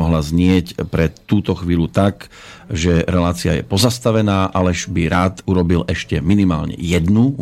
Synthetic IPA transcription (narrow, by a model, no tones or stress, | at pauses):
ɔɦlazɲɪɛcpɾɛuːt̪ɔxʋiːʎut̪ak | ʒɛɾɛlaːt͡siajɛ̰pɔzast̪aʋɛnaːʔalɛʒbiɾaːt̪uɾɔbilɛʃcɛminima̰ːlɲɛ̰jɛd̪nu